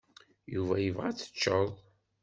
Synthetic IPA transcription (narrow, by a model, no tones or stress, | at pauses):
juvæjəvʁat͡sːə̥t͡ʃːəðˤ